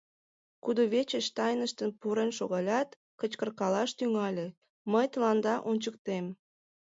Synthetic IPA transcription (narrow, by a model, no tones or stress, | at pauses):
kud̪oβet͡ɕət͡ɕt̪ɑjnəʃt̪ənpuɾenʃoɣɑlʲɑt̪ | kət͡ɕkərkɑlɑʃt̪yŋɑlʲe | məjt̪əlɑnd̪ɑʔonʲt͡ɕək̚t̪em